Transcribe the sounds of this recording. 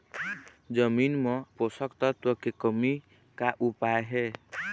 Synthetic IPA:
d͡ʒəminmʌposəkt̪ʌt̪əkːekəmi | kaʔupaeɦe

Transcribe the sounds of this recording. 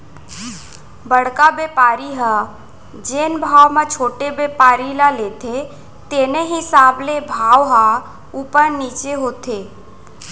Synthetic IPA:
bəɽ̤kabepaːɾiɦa | d͡ʒeːnbʱaːwmẽt͡ʃʰoːʈebeːpaːɾilaleːt̪ʰe | t̪eːneɦɪsaːblebʱaːwɦa | upəɾniːt͡ʃeɦoːt̪ʰeː

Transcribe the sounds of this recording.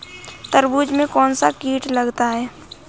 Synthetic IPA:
t̪əɾbuːd͡ʒmẽkɔːnsakiːʈləɡt̪aɦɛː

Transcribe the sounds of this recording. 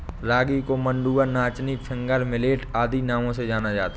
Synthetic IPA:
ɾaːɡikomə̃ɳɖuːənaːt͡ʃnipʰɪ̃ŋɡəɾmɪleːʈaːd̪inaːmõsed͡ʒaːnad͡ʒaːt̪

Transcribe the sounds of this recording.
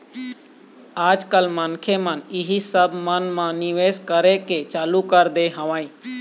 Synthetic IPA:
aːd͡ʒkəlmənkʰemənɪɦisəbʱmənmãnɪʋeːzkəɾeket͡ʃaːlukəɾd̪eɦəʋãːĩ

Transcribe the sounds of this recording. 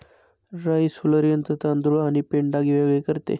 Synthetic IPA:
ɾaisuləɾijənt̪ət̪and̪ɾuɭaɽ̃ipeɳɖaɡiʋeɡɭekəɾt̪ḛ

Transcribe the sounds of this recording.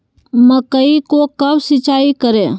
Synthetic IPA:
məkəikokɐbsɪt͡ʃaːikəɾẽ

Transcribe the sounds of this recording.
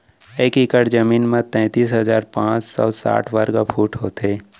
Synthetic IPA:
eːkɪkəɽd͡ʒəmiːnmẽt̪ɛ̃ːt̪iːsɦəzaːɾpãːt͡ʃsɔ̰ːsa̰ːʈʰʋəɾɡapʰuːʈɦoːt̪eː

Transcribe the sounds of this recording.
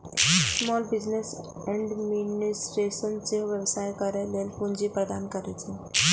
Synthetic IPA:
smɔːlbɪd͡ʑnes | ɛ̃ɳɖminisʈeʃənt͡seʋjəʋsajkəɾeleːlpũɲd͡ʑipɾəd̪ankəɾet͡se

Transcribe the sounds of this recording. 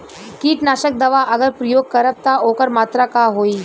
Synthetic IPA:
kiːʈnaːʃək̚d̪ɐʋaʔɐɡəɾpɾəjoːɡ̚kəɾəb̚t̪aoːkəɾmaːt̪ɾakaɦoːiː

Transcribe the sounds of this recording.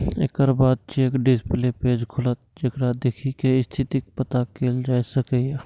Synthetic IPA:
ḛːkəɾbaːd̪̚t͡ʃeːkɖɪsplepeːd͡ʒkʰʊlət̪̚d͡ʒekɾad̪eːkʰikeɪst̪ʰɪt̪ɪk̚pət̪akeːld͡ʒaːesəkeɛ

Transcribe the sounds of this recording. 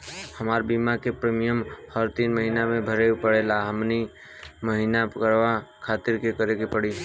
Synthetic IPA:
həmaːɾbiːmakepɾeːmijəmhəɾt̪iːnməɦinamẽbʱəɾepəɽelaɦəmni | məɦiːnakəɾʋakʰaːt̪ɪɾkekəɾeɡepəɽi

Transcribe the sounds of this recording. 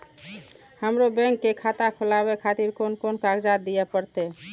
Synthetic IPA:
həmɾobɛ̃ŋkːekʰat̪akʰolabekʰat̪iɾkonkonkaɡd͡ʒad̪ijɛpəɾt̪ɛ

